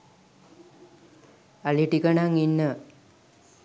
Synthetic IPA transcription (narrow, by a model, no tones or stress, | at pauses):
aliʈikənaŋinːə